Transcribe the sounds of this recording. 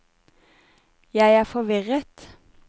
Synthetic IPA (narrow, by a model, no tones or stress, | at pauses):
jæɪæːfɔʋɪʁət̪